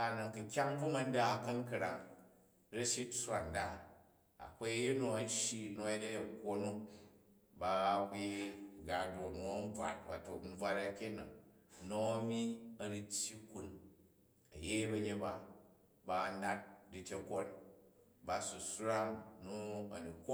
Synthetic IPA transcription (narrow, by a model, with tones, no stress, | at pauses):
a˨nɐ˨ŋkɨ˨kʲa˦ŋbu˦mɐ˧n˦da˦˨kɐ˦nkɐ˨ɾa̰˨ŋ | ɾɐ˦ʃi˦sʷa˨nda˦ | a̰˨ko˦je˦no˨ɐ˨˦ʃji˦no˨˧je˦de˦e˨ko˦nu˦ | ba˨˦ke˦ɡa˨do˨nu˨ɐ˦n˦b͡vʷa̰˨t̚ba˨to˨m̩˦b͡vʷa˧ɾa˦kʲe˦nɐ˨ŋno˨ɐ˦mi˦ɐ˨ɾi˦tʲji˦ku˨n | ɐ˨je˦bɐ˧ɲe˦ba˨ | ba˧˨na˦t̚di˨tʲe˨ko˦n | ba˨su˨sɾa˦mnu˦ɐ˨ni˨kʷo˦